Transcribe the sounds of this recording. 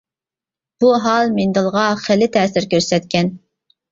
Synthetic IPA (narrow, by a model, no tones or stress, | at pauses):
b̥uɦɑlˠmend̪ɨlˠʁɑχelːɪt̪ʰɛːsɪɾkʲøɾsɛt̪̚kʲʰɛn